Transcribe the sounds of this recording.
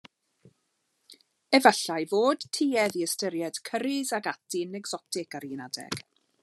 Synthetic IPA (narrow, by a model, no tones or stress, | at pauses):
ɛvəɬajvoːd̥tʰiːɛðiəstəɾjɛd̥kʰəɾɪzaɡatʰinɛɡz̥ɔtɪkaɾɪnadɛ̰ɡ̥